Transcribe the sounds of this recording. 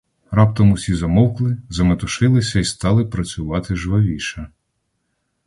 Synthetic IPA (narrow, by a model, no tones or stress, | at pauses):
rɑp̚t̪ɔmʊsʲizɐmɔwklˠɪzɐmet̪ʊʃɪlˠɪsʲɐist̪ɑlˠɪpɾɐt͡sʲʊʋɑt̪ɪʒʋɔʋʲiʃɐ